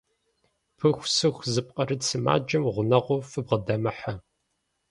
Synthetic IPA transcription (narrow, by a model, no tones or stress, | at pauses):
pʰɨxʷsɨxʷzɨp̚qʼɐɾɨsɨma̰ːd͡ʒɐmʁʷʊnɐʁʷʊfɨbʁədɐmɐħa